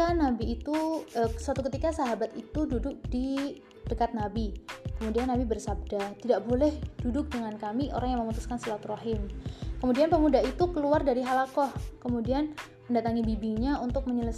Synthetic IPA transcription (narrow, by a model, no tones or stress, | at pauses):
anabiːt̪uəsat̪ukət̪ikasaɦabat̪it̪ududʊk̚di | d̥əkat̪̚nabikəmudianːabibərsab̚dat̪idaʔbolɛhd̥udʊk̚dəŋankamiʔo̰ɾaŋjaŋməmut̪uskansəlat̪raɦɪmkəmudianpəmudaɦit̪ukəluardaɾiɦalakɔhkəmudian | məndat̪aŋibibiɲaunt̪ʊk̚məɲələs